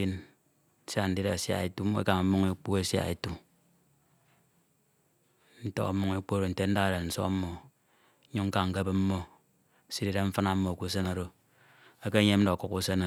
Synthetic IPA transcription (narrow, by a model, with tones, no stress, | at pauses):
i˦n˦ | sa˦n̩˨di˦ɾa˨sja̰˨e˨tu˦ḛ˦ka˨ŋ̩˨˦mu˦ŋe˦k͡pu˦e˦sja̰˨ḛ˨tu˦ | n̩˦to̰˦a̰˨˦mu˦ŋe˦k͡po˦ɾo˨n̩˨te˦n̩˦da˦ɣa˦˨ɾe˨n̩˨so̰˦m̩˦mːo˨˦ | ɲu˦ŋ̩˦ka˦˨ŋ̩˨ke˦be˦m̩˦mo˦˨ | si˦di˦ɾa˦ɱ̩˦fa˦na˦m̩˦mːo˨ku˦s̬e˦na˨ɾo˨ | e˦ke˦ɲe˦m̩˦do˨ku˨ku˦se˦na˨